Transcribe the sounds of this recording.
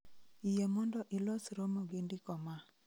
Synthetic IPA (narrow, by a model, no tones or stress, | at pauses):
ijɛmɔndɔʔɪlɔsɾɔmɔɡendɪkɔma